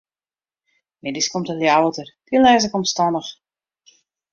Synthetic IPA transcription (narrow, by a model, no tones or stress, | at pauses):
mɛdiskomtəljawətərd̥iəlɛːz̬ɪkɔmstɑnəx